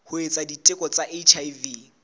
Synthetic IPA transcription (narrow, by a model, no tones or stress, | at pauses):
hʊet͡sʼaditʼɪkʼɔt͡sʼaʔet͡ʃʰajvi